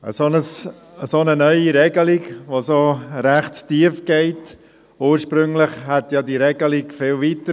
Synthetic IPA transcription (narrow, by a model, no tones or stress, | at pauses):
ə̰sonəs | əsonənœʏiɾɛɡəlikʋosoɾæχttiəfɡ̥ɛɪt | uːɾʃpɾɵŋlɪχhɛtjɑdiɾɛɡəlikfɪlvitə